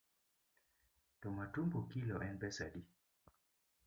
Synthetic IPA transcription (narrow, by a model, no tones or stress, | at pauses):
tɔmatumbukilɔʔɛnbɛsaɗi